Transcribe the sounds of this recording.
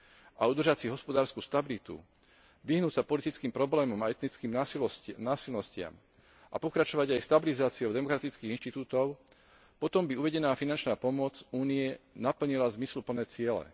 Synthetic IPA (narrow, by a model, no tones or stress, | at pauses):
ʔaud̪r̩ʒat͡siɦɔspɔd̪aːɾskuːst̪abilit̪ṵ | ʋiɦnuːcsapɔlit̪it͡skiːmpɾɔblɛːmɔmaɛt̪nit͡skiːmnaːsilnɔscɪa̰m | ʔa̰pɔkɾat͡ʃɔʋaɟajst̪abilizaːt͡siɔʊd̪ɛmɔkɾat̪it͡skiːinʃt̪it̪uːt̪ɔʊ | pɔt̪ɔmbiuʋɛɟɛnaːfinant͡ʃnaːpɔmʊɔt͡suːnijɛnapl̩ɲilazmislupl̩nɛːt͡sɪɛlɛ̰